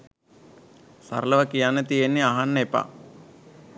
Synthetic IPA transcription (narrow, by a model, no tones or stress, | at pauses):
sɐ̰ɾlɐʋɐkijaːnet̪ijenːiaɦanːepa̰